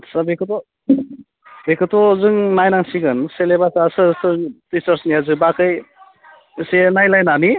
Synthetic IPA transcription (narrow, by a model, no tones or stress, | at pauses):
sabekɯtɔ | bekʰɯtɔzɯŋnajnaŋsiɡɯnselebasasɯsɯtisaɾsnijazɯbakɯj | senajlajnani